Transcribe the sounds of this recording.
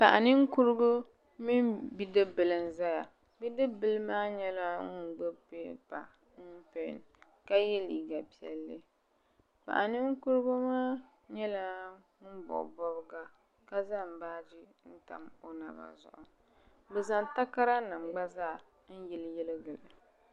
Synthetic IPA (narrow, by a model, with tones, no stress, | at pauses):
pa˨ʔa˨nɨ˦ŋ˦ku˦ɾɨ˦ɡʊ˦ | mi˦nbi˦dɨ˦bɨ˨lɨ˨n˦za˦ja˨ | bi˦dɨ˦bɨ˦lɨ˦maː˦ɲɛ˦la˦u˨ɡ͡bɛ˦pe˦pa̰˨ | n̩˦pe˨n | ka˦jɛ˦liː˨ɡa˨pi˨ɛ̰˨lːɨ˦ | pa̰˨ʔa˨nɨ˦ŋ̩˦ku˦ɾɨ˦ɡʊ˦maː˦ | ɲɛ˦la˦ | bɔ̰˨bɔ˦bɨ˦ɡa˦ | ka˦za˦˨m˨baː˦d͡ʒi˦n̩˦ta̰˨mo˦na̰˨ba̰˨zʊ̰˨ʔʊ˨ | bɛ˨za˨n˨ta˦ka˦ɾa˦na˨mɡ͡ba˦zaː˦˨ | n̩˦jɛ˨ljɛ˦lɨ˦ɡɨ˨lɨ˨